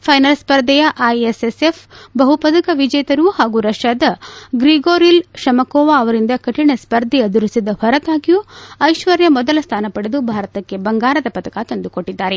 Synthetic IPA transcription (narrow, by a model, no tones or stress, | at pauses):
pʰɐjnɐlspɐɾd̪ɐjɐʔajesesefbɐɦupɐd̪ɐkɐʋid͡ʒɐjɐt̪ɐɾuhaːɡuɾɐʂaːd̪ɐɡɾiɡoːɾilʃɐmɐkɔːʋaːɐʋɐɾind̪ɐkɐʈiɳɐspɐɾd̪ʱɛjɐd̪uɾisid̪ɐhɔɾɐt̪aːɡijuɐjʃʋɐɾjɐmɔd̪ɐlɐst̪ʰaːnɐpɐɽed̪ubʱaːɾɐt̪ɐkːe̞bɐŋɡaːɾɐd̪ɐpɐt̪ɐkat̪ond̪ukoʈːid̪ːaːɾe̞